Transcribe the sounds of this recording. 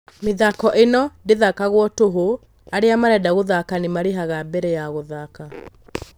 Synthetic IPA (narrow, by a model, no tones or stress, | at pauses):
meðakɔʔenɔndeðakaɣwɔtoɦo | aɾeamaɾɛdaɣoðakanemaɾeɦaɣabɛɾɛjaɣoðaka